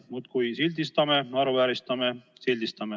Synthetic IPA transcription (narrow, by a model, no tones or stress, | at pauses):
mut̪kujsilʲd̪ist̪ɑmeɑɾuvæːɾist̪ɑmesilʲd̪ist̪ɑme